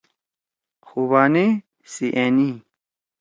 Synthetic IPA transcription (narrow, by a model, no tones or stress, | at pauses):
xuβaːne | siʔeni